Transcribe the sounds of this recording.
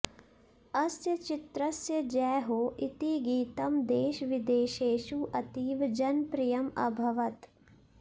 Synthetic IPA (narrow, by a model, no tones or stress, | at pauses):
ɐsjɐt͡ʃɪt̪ɾɐsjɐd͡ʒɛːɦoːʔit̪iɡiːt̪ɐmd̪eːʃʋɪd̪eːʃeːʃuʔɐt̪iːʋd͡ʒɐnpɾijɐmɐ̰bʱɐʋɐt̪